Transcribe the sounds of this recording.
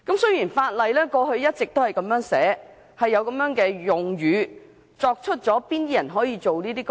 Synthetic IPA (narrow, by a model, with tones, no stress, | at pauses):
kɐ˨˥msɵ˥jiː˨˩nfaː˧t̚lɐ˨jlɛː˥kɔː˧ɦɵ˧ɥjɐ˥t̚t͡sɪ˨k̚t̪o˥whɐ˨˩jkɐ˨˧mjœː˨˥ŋsɛː˨˥ | hɐ˨jːɐ˧wkɐ˨˧˥mjœː˨˥ŋkɛː˧jʊ˨ŋɥyː˨˧ | t͡sɔː˧k̚t͡ʃʰɵ˥t̚t͡sɔː˨˥piː˥ni˥jɐ˨˩nɦɔː˨˥jiː˨˧t͡so˨wniː˥t̪iː˥k